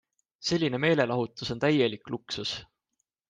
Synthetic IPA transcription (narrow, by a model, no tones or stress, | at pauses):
se̞lʲːine̞me̞ːle̞lɑɦut̪ːˑuso̞nt̪æje̞likˑluksus